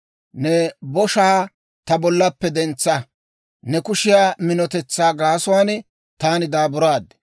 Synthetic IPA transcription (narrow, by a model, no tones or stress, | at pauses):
nɛbɔʃaː | t̪ɐbɔlːɐpːɛd̪ɛnt͡sːɐ | nɛkʊʃɪjaːmɪnɔt̪ɛt͡sːaːɡaːsʊwaːn | t̪aːnɪd̪aːbʊɾaːd̪ɛ̥